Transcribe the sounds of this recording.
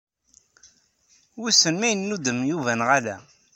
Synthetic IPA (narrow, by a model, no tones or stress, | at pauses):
wusənmæjənːud̪əmjuvænʁælæ